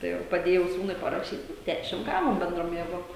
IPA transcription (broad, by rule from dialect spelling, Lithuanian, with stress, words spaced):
tɐɪ ˈʋɐ pɐˈdʲeːjɛʊ ˈsuːnʊɪ pɐrɐˈʃʲiːt ˈdʲæʃʲɪm ˈɡɑːʋoːm bʲɛnˈdroːm jeːˈɡoːm